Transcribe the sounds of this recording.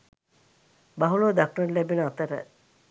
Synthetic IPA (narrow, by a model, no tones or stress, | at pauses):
baɦuloːd̪akɳəɾlæbenəat̪əɾə̰